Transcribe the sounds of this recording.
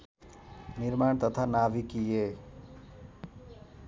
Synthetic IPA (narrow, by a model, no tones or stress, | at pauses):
niɾmaːɳ̃t̪ət̪ʰanaʋikije